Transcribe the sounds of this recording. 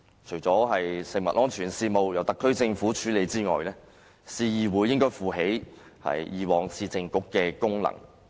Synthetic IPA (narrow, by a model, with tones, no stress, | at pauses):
t͡ʃʰɵ˨˩ɥt͡sɔː˨˥ɦɐ˨jsɪ˨ŋ̚mɐ̰˨t̚lɔː˥ŋt͡ʃʰyː˨˩nsiː˧mo˨wjɐ˨˩wt̪ɐ˨kʰːɵ˥ɥt͡sɪ˧ŋfuː˨˥t͡ʃʰyː˨˥le˨˧jt͡siː˥ŋɔ̰ː˨jlɛː˥ | siː˧jiː˨wuː˨˧jɪ˥ŋkɔː˥jfuː˨ɦe˨˥j | hɐ̰˨jjiː˨˩wɔː˨ŋsiː˧t͡sɪ˨ŋkʊ˨˥kːɛː˧kʊ˥ŋlɐ̰˨˩ŋ